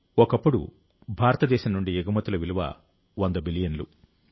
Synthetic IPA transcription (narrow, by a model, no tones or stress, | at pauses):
ɔkɐpːuɽṵ | bʱaːɾɐt̪ɐd̪ɛːʃɐmnuɳɖieɡɐmɐt̪ːulɐʋiluʋɐ̰ | ʋɐnd̪ɐbilijɐnlu